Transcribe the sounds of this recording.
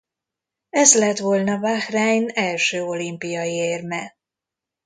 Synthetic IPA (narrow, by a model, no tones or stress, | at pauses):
ɛzlɛt̪ʋolnɒvaxraːjnɛlʃøːo̞limpijɒieːrmɛ